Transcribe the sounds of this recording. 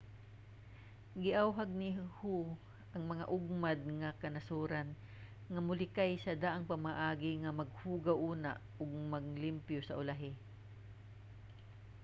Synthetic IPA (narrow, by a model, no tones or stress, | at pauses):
ɡɪʔawɦaɡ̚nɪhu | ʔɐŋmɐŋa̰ʔʊɡ̚mad̪̚ŋakɐnɐsuːɾan | ŋɐmʊlɪkajsɐd̪aʔaŋpɐmaʔaːɡɪŋɐmɐɡ̚huːɡawʔuːna̰ | ʊɡ̚mɐɡ̚lɪmpjosɐʔʊlaɦɪ